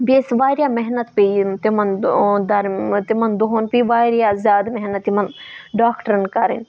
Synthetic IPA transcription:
beːsʋaːɾjaːmɛɦnət̪pet̪imɐnd̪ɐɾt̪imɐnd̪oɦonpiʋaːɾjazʲjaːd̪mɛɦnɐt̪ːimɐnɖaːkʈəɾɐnkɐɾḭn

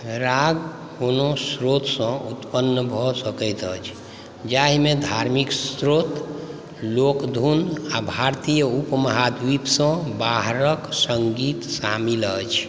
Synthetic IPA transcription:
ɾaɡ | konosɾot̪sə̃ut̪pənːbʱɔsəkəjt̪ət͡ʃʰ | d͡ʒaɦimed̪ʱaɾmiksɾot̪ | lokd̪ʱunabʱaɾt̪ijəupməɦad̪wipsə̃baɦɾəksəŋɡit̪samilət͡ʃʰ

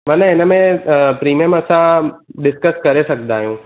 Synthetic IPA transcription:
mɐ̃nɦɪnəmẽpɾiːmijəmɐsãɗɪskəskɐɾesɐkʰnd̪aːɦijũː

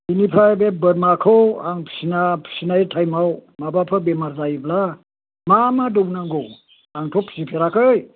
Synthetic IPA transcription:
inipʰabebəɾmakʰoaŋpʰsinapʰsinaitʰajmawmabapʰəbemaɾzaivla | mamadobunaŋɡo | aŋtʰopʰsipʰeɾakəj

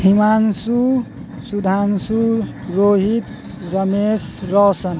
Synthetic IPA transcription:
himansu | sud̪ʱansu | ɾoɦit̪ | ɾʌmesɾʌsʌn

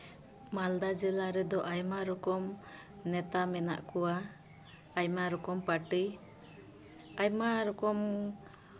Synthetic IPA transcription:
mald̪ad͡ʒɛlaɾɛd̪ɔʔajmaɾɔkɔm | nɛt̪amɛna̰ʔkɔwaː | jmaɾɔkɔmpaʈi | ajmaɾɔkɔm

